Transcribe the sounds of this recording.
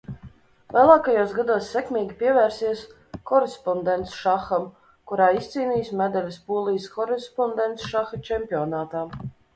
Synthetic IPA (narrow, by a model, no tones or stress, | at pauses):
lʲˠalˠɑːkajoːsɡad̪uɔsːɛkmʲiːɡʲipʲiɛvæːɾsiɛs | kɔɾespɔnd̪ent̪sʃaxam | kuɾaːist̪siːniːsmʲɛd̪alʲispuɔlˠijskɔɾespɔnd̪ent̪sʃaxat͡ʃɛmpʲioːnaːt̪aː